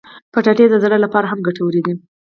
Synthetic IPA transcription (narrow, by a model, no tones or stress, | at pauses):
pəʈaʈed̪əzaɽəlapɑɾaɦamɡaʈawəɾed̪i